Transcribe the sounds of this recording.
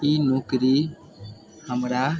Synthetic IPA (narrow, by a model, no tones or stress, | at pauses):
iːnoːkɾi | həmɾa